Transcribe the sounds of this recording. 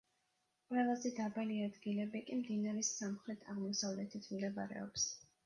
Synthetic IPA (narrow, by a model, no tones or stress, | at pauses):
qʼwɛlˠazɛd̪abaliad̪ɡilɛbikʼimd̪inaɾɛsːamχɾɛt̪ʰaʁmɔsavlɛt̪ʰit̪ʰmd̪ɛba̰ɾɛ̰ɔ̰ps